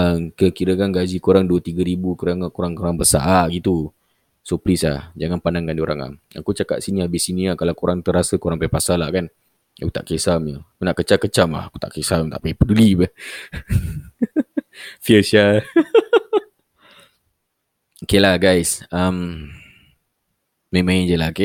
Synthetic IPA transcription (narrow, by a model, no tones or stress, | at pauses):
əmkəkiɾəkanɡazikuɾaŋduət̪iɡəɾibukoɾaŋkoɾaŋkoɾaŋbəsa̰ʔaʔɡit̪u | soplislahd͡ʒaŋanpanaŋkandioɾaŋla̰ | a̰kut͡ʃaka̰ʔ̪siniabɪsiniahkalakuɾaŋt̪əɾasəkoɾaŋpaipasalahkan | a̰kut̪a̰ʔkesaməakunaʔkət͡ʃakət͡ʃamla̰haku̥t̪a̰ʔkesamt̪aʔpaipədulibəh | fiəsia | okelahɡajsam | ẽmãnd͡ʒəlake